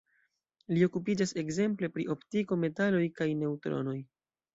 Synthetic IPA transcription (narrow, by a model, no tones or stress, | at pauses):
lio̞kup̬id͡ʒase̞kze̞mple̞pɾḭʔo̞ptiko̞me̞talo̞jkajne̞utɾo̞̰no̞j